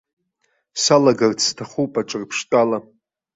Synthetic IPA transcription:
salaɡart͡sʰtʰaχupʼaʈ͡ʂʼɨrpʰʂtʼala

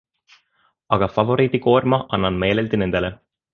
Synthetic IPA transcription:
ɑɡ̥ɑfɑvo̞ɾiːt̪iko̞ːrmɑʔɑnːɑnme̞ːleld̪ine̞nd̪̥ele

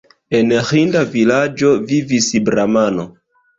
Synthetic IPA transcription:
enhindavilad͡ʒovivisibɾamano

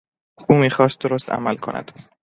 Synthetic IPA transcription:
uːmiːxɒːst̪̚d̪oɾost̪ʰæ̰mælkʰo̞̰nʔæ̰d̪̥

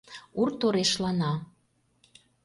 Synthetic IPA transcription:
urt̪oɾeʃlɑnɑ

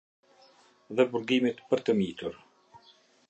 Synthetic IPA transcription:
ðɛbuɾɡimit̪pəɾt̪əmit̪uɾ

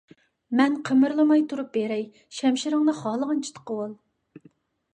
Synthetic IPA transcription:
mɛnqʰəmɨɾlˠɨmɑjt̪ʰuɾup̚beɾɛj | ʃɛmʃɪɾɨŋnɨχɑːlˠəʁɑnt͡ʃʰi̥t̪ʰə̥qəwɑlˠ

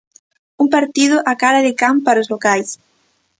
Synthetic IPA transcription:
umpaɾt̪iðʊʔakaɾaðɪkampaɾʊzlokajs

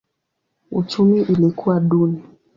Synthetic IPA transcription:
ṵt͡ʃumiʔilikuwaɗuni

